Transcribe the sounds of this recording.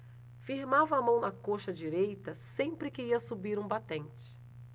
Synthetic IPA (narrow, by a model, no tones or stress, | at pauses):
fiɾmavɐːmɐ̃w̃nɐkoʃɐd͡ʒiɾejt̪ɐsẽpɾɪkɪiɐsubiɾũbat̪ẽnt͡ʃɪ̥